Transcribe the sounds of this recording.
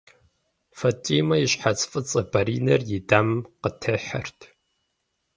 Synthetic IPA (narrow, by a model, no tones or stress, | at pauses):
fɐtʼiːmɐjɪɕħat͡sʼfʼɨt͡sʼɐbɐɾiːnɐrjɪdaːmqətʰɐħɐ̰rtʰ